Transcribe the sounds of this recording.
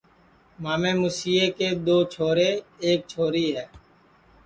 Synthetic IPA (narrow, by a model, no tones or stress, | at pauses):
maːmẽːmusiːeːkeːd̪oːt͡ʃʰoːɾeːeːk̚t͡ʃʰoːɾiːɦɛː